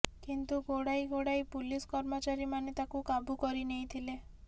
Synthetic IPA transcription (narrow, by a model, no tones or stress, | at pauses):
kint̪uɡoɽaiɡoɽajpuliskɔɾmot͡ʃaɾimanet̪akukabukɔɾineĩt̪ʰile